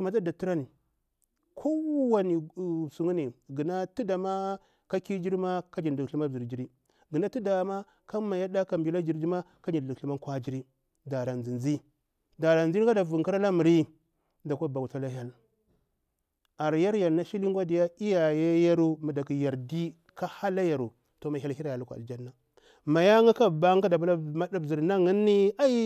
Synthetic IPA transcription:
su˨ma˨da˦da˨tu˦ɾa˦ni˨ | kʰo˦wa˦ni˨su˨ŋu˦ni˨ɡi˨na˦ti˦da˨ma˦ | ka˦ki˦d͡ʒi˦ɾma˦ka˦d͡ʒi˨n˨du˨kɬi˦ma˦˨zi˨ɾd͡ʒi˨ɾi˦ | ɡə˨na˦ti˦da˨ma˦ | ka˦ma˨ja˦da˦ka˨mbi˨la˦d͡ʒi˨ɾd͡ʒi˦ma˦ | ka˦d͡ʒi˨du˨ɬu˦ma˦kʷa˦d͡ʒi˦ɾi˦ | da˨ɾa˨nd͡zi˨nzi˦ | da˨ɾa˨nzi˦ka˦da˨vu˨ŋ˨ki˦ɾa˦la˦mu˨ɾi˦ | da˨kʷa˦˨ba˨ku˨ta˦la˦ɦa˦l | a˨ɾja˦ɾja˨lna˦ʃi˦li˦ŋ˦ɡʷa˦di˨ja˦i˦ja˨ja˦ja˦ɾu˦ma˨da˨ki˨ja˨ɾdi˦ | ka˦ha˦la˦ja˨ɾu˨ | to˨ma˨a˦lhi˦ɾa˨ja˨lkʷa˨a̰˨ld͡ʒa˦nːa˨ | ma˨ja˦ŋa˦ka˦˨ba˦ŋ˦ka˦da˨bu˦la˦ma˦da˦bi˨ɾna˦ŋi˦nːi˦a˦i˦

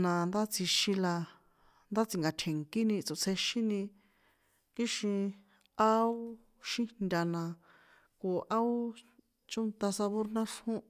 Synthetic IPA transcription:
nã˧nd̪a˦t͡si˧ʃĩ˧la˧ | nd̪a˦t͡si˨ŋɡa˨˧t̪ʰe˨ŋki˦nĩ˧t͡so˨t͡sʰe˧ʃĩ˦nĩ˧ | ki˦ʃĩ˧ | a˦o˦ | ʃĩ˦nd̪ʲa˧nã˧ | ko˨ʔa˦o˦ | t͡ʃo˦nt̪a˧sa˧βo˦ɾnã˦ʂhũ˦

